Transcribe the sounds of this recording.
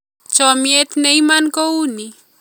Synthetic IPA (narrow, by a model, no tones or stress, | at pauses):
t͡ʃɔmjet̪neimankouni